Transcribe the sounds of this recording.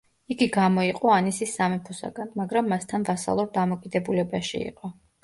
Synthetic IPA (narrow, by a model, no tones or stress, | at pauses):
iɡiɡamɔiqʼɔanisisːamɛpʰɔsa̰ɡ̥anmaɡɾamːast̪ʰanvasa̰lˠuɾd̪amɔkʼid̪ɛbulɛbaʃḭḭqʼɔ